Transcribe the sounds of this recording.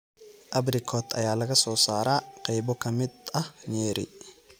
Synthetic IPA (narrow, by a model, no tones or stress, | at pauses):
ʔɐbɾɪkʰɔːt̪ɐ̰jaːlɐɡɐsɔːsaːɾaːqɛjbɔkɐmɪd̪ɐɲeːɾɪ̰